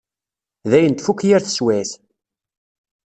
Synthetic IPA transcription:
ðæjənt̪fukːjæɾθə̥swæθ

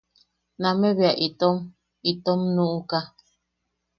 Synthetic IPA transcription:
nãmẽβiaʔit̪om | it̪omnũʔuka

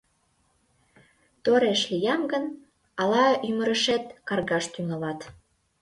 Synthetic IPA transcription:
t̪oɾeʃlijɑmɡən | ɑlɑyməɾəʃet̪kɑrɣɑʃt̪yŋɑlɑt̪

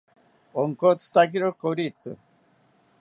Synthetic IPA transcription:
oŋkot͡s̪t̪akiɾokoɾit͡sɨ̰

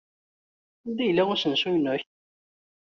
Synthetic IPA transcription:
d̪ijlːæʊɾsənsujənʊç

